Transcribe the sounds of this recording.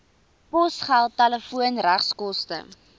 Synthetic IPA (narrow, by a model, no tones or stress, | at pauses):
pɔsχælˠtɛləfuənræχskɔstə̰